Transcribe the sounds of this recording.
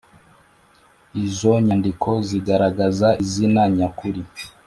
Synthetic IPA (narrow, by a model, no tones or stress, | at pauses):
izoɲandikʰoziɡaɾaɡazaizinaɲakuɾi